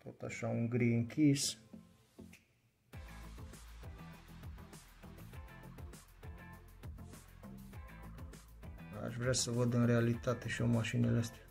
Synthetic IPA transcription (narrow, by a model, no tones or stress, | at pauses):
t̪o̞t̪aʃauŋɡɾiɨŋkʲʰis | a̰ʃvɾeasəvəd̪ɨnrealit̪at̪e̞ʃio̞maʃineleəst̪ea